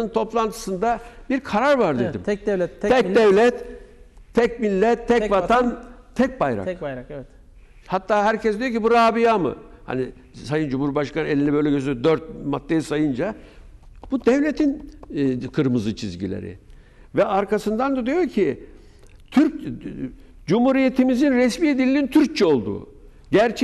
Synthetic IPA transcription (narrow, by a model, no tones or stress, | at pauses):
ɯnt̪ʰo̞plˠant̪ʰɯ̥sɯnd̪abiɾkʰaɾaɾvaɾd̪ed̪ḭmɛɛcd̪ɛvlʲɛt̪ʰː | ɛcmilʲːɛt̪ʰːɛvat̪ʰant̪ʰɛc̚bajɾa̰kɾk̪ | hat̪ʰːaːɦæɾcʰɛsd̪ijocʰibuɾaːbijamɯ̰ha̰ni | sajɯnd͡ʒumuɾbaʃkʰanɯnelʲinibø̞jlʲɛɟøzd̪øɾt̪̚mat̪ːejisajɯnd͡ʒa | b̥ud̪ɛvlʲet̪ʰin | kʰɯɾmɯzɯt͡ʃʰizɟilʲḛɾɪ̰ | vɛaɾkʰasɯnd̪and̪ad̪ijoɾcʰi | t̪ʰyɾ | d͡ʒumhuɾijet̪ʰimizinɾɛsmiːed̪ilʲːiint̪ʰyɾc̚t͡ʃʰɛo̞lˠd̪ṵː | ɟæɾt͡ʃʰ